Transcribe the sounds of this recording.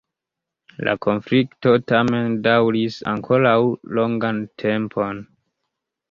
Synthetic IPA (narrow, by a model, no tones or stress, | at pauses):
lʔa̰ko̞nflikto̞tame̞ndawɾisa̰ŋkʰo̞lawloŋɡantʰe̞mpʰo̞n